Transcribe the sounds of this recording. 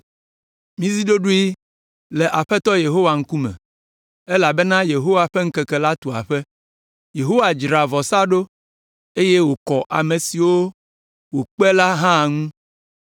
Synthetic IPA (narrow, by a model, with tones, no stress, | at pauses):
mĩ˦zi˦ɖo˦ɖu˦i˦ | lɛ˨ʔa˨ɸɛ˦t̪ɔ˦je˨ɦo˦wa˨ŋ̩˦ku˦mɛ̰̃˨ | e˦la˨bɛ˦nã˦je˨ɦo˦wa˨ɸɛ˦ŋ̩˦kɛ˨kɛ˨la˦t̪o˨a̰˨ɸɛ˦ | je˨ɦo˦wa˨d͡ʒɾa˨vɔ˨sa˦ɖo˦ | e˦je˦wo˨kɔ˨ʔa̰˨me˨si˨wo˦ | wo˨k͡pɛ˦la˦ɦã˦˨ŋũ˦